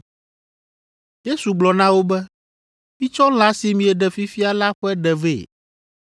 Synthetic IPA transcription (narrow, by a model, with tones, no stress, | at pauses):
je˦su˨ɡ͡blɔ˨nã˦wo˦bɛ˦ | mĩ˦t͡ʃɔ˦l̃a˦si˨mĩ˨ɛ˨ɖɛ˨fi˦fi˦a˨la˦ɸɛ˦ɖɛ˨ve˦˨